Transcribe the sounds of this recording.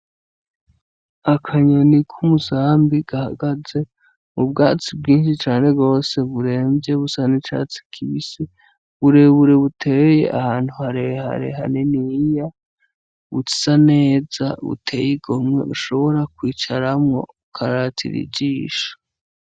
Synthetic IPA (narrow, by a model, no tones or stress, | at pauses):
akʰaɲonikʰumusaːmbiɡ̥aha̰ɡaze̞ | mubɡaːt͡sib̚ɡiːnʃit͡ʃaːne̞ɡo̞ːse̞βuɾe̞ːmbje̞βusanet͡ʃa̰t͡si̥kʰiβisi | βuɾe̞βuɾe̞βutʰe̞ːje̞̰ʔa̰haːn̥huhaɾeha̰ɾḛɦa̰nenija | βṵt͡si̥sane̞ːza̰βṵtʰe̞jiɡomŋe̞̰uʃo̞βo̞ɾakwiːt͡ʃaɾamŋo̞̰ukʰaɾatʰḭɾḭɟiːʃo̥